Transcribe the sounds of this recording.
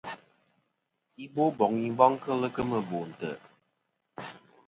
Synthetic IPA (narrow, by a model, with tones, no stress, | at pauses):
i˦bo˦bɔ˨ŋi˨m˦bɔ˦ŋ˦kə˦lə˦kə˦mə˨bo˨n̩˨tə˨